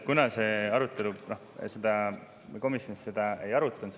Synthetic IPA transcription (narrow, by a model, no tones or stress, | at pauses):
kunɑse̞ɑɾut̪ːˑe̞luno̞hsed̪ɑ | ko̞misjo̞nised̪ɑe̞jɑɾut̪ːˑɑnt̪